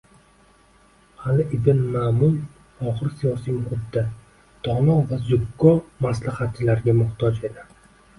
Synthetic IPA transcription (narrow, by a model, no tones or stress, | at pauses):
halɪʔɪb̪ɪnmamʊl | ɒʁɨɾsijɒsijmʊχʊt̪ːa | d̪̥ɒnɒvazʊkːɒmaslahat̪̚t͡ʃʰːɪlaɾɡʲamʊht̪ʰɒd͡ʒe̞d̪ɪ